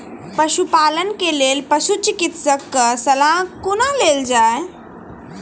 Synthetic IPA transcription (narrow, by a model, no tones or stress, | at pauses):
pɐʃupaːlənkeleːlpəʃut͡ʃɪkɪt̪səkːəsɐlãːkʊnaleːld͡ʒaːe